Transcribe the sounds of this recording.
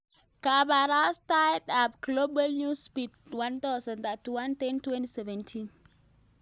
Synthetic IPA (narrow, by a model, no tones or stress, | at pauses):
kabaɾastajdapɡlobalnuspitwant̪aʊsə̃nt̪atːuwant̪ɛntwɛ̃ntisɛvɛ̃ntʰin